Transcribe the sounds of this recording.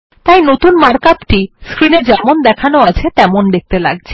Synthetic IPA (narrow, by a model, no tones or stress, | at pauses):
t̪ajnot̪unmaɾkapʈiskɾined͡ʑɛmond̪ɛkʰanoat͡ɕʰet̪ɛmond̪ek̚t̪ela̰ɡ̚t͡ɕʰe̥